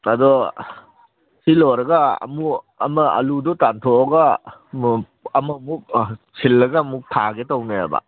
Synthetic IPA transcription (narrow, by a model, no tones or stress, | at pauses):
ɐdɔ | silɔɾɐɡaɐ̰mu | ɐ̰mɐɐ̰ludɔtantʰɔɐɡa | ɐmɐmuk̚sʰilːɐɡɐmuk̚tʰaɡetawnaja̰ba̰